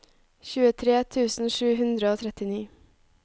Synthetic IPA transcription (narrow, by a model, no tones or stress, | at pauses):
çʉːət̪ʰɾeːt̪ʰʉːsn̩ʃʉːhʉnd̪ɾəoːt̪ʰɾɛt̪ɪniː